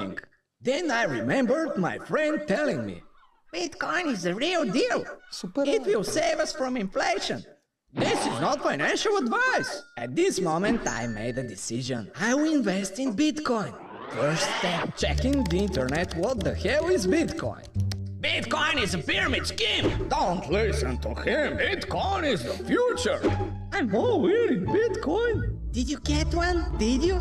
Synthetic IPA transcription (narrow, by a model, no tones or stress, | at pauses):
ŋ | ðɛ̃najɹimɛ̃mbə˞d̪̚maɪfɹɛ̃nd̚tɛlɪ̃ŋmḭ | b̥ɪtkɔ̃ɪ̃nɪzɨɹilˠdilˠsupəɪt̚wɪlˠseɪvʌsfɹɔ̃mɪ̃nfleɪʃə̰̃n | ðɪsɪznɔtfaɪnæ̃nʃəl̩ˠədvaɪsɨt̪̚ðɪsmõʊmɨ̃nta̰ɪmḛɪdɨdɪsɪʒə̰̃naɪwɪlˠɪ̃nvɛstɪ̃nbɪtkʰɔ̃ɪ̃n | fɜ˞stɛt͡ʃɛkɪ̃ŋðiɪ̃ntə˞nɛt̪wɔt̪̚ðəhɛlɪzbɪtkʰɔ̰̃ɪ̃nbɪtkɔ̃ɪ̃nɪzəpiɹmɪtskĩmd̪õʊ̃ntʰlɪsə̃nt̪ʰuhɪ̃mbɪdkʰɔ̃ɪ̃nɪzðəfjut͡ʃə˞ | aɪmowiɾɪ̃nbɪdkʰɔ̃ɪ̃nd̪̥ɪdjuɡɛtwʌ̃nd̪ɪdju